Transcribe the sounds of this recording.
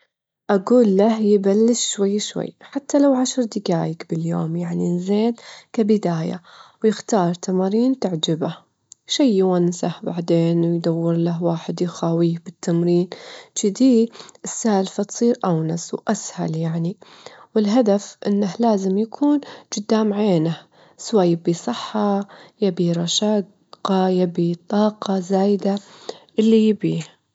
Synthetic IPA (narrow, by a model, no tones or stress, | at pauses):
ʔaɡuːlːahjɪbalːɪʃʃwajːʃwa̰jːħat̪ːalawʕaʃɾˤd̪ɪɡaːjɪkbɪljo̰ːmjaʕninzeːd̪kabɪd̪aːja̰wjɪxt̪ɑːɾˤt̪ʰamaːɾiːnt̪aʕd͡ʒaba | ʃajːwansahbaʕd̪eːnwɪjd̪awːɪɾlaɦwaːħɪd̪jxaːwiːbɪt̪ʰːamɾiːnt͡ʃid̪iːʔɪsːalfat̪sˤiːɾʔawnaswʔasha̰ljaʕniwɪlɦad̪afʔɪ̰nːahlaːzɪmjakʰuːnd͡ʒʊd̪ːamʕeːna | swaːjːabiːsˤɨħːɑjabiɾˤɑʃaː | qɑjabit̪ˤɑːqɑzaːjd̪aʔɪlːijɪbiːh